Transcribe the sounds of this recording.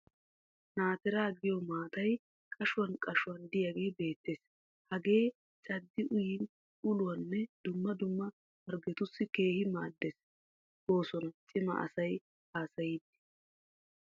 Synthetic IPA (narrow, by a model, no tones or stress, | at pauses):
naːt̪ɛɾaːɡɪjɔmaːt̪ɐj | kʼɐʃʊwɐnkʼɐʃʊwɐnd̪ɪjɐɡe̞ːbe̞ːt̪ːeːs | hɐɡe̞ː | t͡ʃʼɐd̪ːɪʔʊjɪn | ʊlʊwɐnːɛd̪̥ʊmːɐd̪ʊmːɐ | wɐɾɡɛt̪ʊsːɪke̞ːhɪmaːd̪ːes | o̞ːsɔnɐt͡ʃʼɪmɐ̰ʔɐ̰sɐj | haːsɐjid̪ːɪ̥